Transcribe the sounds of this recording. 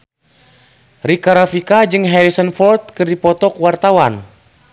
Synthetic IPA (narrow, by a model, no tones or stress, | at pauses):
rikaɾafikad͡ʒɨŋɦɛɾisənfɔrt̪̚kɨrdipɔt̪ɔkuwart̪awan